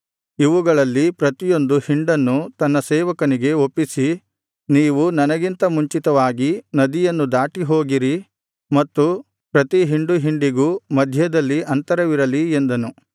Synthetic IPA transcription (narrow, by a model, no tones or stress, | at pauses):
iʋuɡɐɭɐlːipɾɐt̪ijo̞nd̪uhiɳɖɐnːut̪ɐnːɐsɛːʋɐkɐniɡe̞o̞pːisi | niːʋunɐnɐɡint̪ɐmuɲt͡ʃit̪ɐʋaːɡinɐd̪ijɐnːud̪aːʈiɦo̞ːɡiɾi | mɐt̪ːu | pɾɐt̪iɦiɳɖuɦiɳɖiɡumɐd̪ʱjɐd̪ɐlːiʔɐnt̪ɐɾɐʋiɾɐliend̪ɐnu